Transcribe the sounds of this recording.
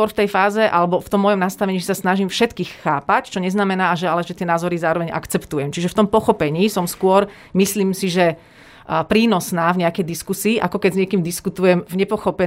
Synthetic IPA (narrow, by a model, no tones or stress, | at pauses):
ɔɾft̪ɛjfaːzɛʔalɛbɔft̪ɔmːɔjɔmnast̪aʋɛɲiːʒɛsasnaʒimfʃɛt̪kiːxːaːpact͡ʃɔɲɛznamɛnaːaʒɛalɛʒɛt̪ɪɛnaːzɔɾizaːɾɔʋɛɲʔa̰kt͡sɛpt̪ujɛmt͡ʃiʒɛft̪ɔmpɔxɔpɛɲiːsɔmskʊɔɾ | misliːmsiʒɛ | pɾiːnɔsnaːvɲɛakɛjd̪iskusiːʔakɔkɛɟzɲɪɛkiːmd̪iskut̪ujɛmvɲɛpɔxɔpɛ